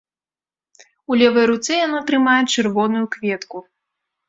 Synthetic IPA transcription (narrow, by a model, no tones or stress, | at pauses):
ulʲɛvɐjɾut̪sɛjanat̪ɾɨmajɛt͡ʂɨrvɔnujukvʲɛt̪ku